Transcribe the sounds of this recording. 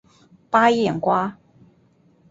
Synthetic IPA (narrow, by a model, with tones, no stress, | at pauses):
pa˥jɛ˥˩nkwa˥